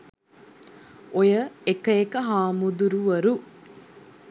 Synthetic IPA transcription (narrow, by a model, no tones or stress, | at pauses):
ojəekɐekɐɦaːmud̪uɾuʋɐɾu